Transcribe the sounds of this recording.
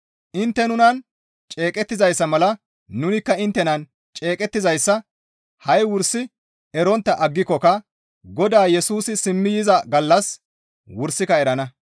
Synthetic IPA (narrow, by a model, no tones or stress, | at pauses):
ʔɪnt̪ːɛnʊnɐn | t͡ʃʼeːkʼɛt̪ːɪzɐjsːɐmɐlɐ | nːʊnɪkːɐɪnt̪ːɛnɐn | t͡ʃʼe̞ːkʼɛt̪ːɪzɐjsːɐ | hɐjwʊɾsːɪ | ɛɾɔnt̪ːɐʔɐɡːɪkːɔkɐ | ɡɔd̪aːjɛsuːsɪsɪmːɪjɪzɐɡɐlːɐs | wʊɾsːɪkɐɛɾɐnɐ